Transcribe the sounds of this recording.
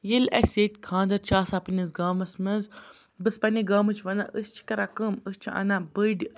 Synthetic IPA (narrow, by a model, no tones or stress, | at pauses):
jilɐ̰sʲet̪ʲkʰãːnd̪ɐɾt͡ʃʰaːsapɨnizɡaːmɐsmɐz | bɨspɐnʲiɡaːmɨt͡ʃʰʋɐna̰ʔəst͡ʃʰi̥kɐɾakəməst͡ʃʰiʔɐ̰nabəɖʲ